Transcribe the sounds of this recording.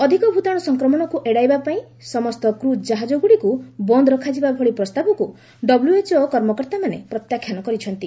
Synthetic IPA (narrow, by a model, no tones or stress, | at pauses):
ɔd̪ʱikɔbʱut̪aɽɔsɔŋkɾɔmɔñɔkuʔeɽajbapaĩ | sɔmɔst̪ɔkɾud͡ʒaɦad͡ʒoɡuɽikubɔnd̪ɔɾɔkʰad͡ʒibabʱɔɭipɾɔst̪abɔku | ɖɔbljuet͡ʃokɔɾmɔkɔɾt̪amanepɾɔt̪jakʰːjanɔkɔɾit͡ʃʰɔnt̪i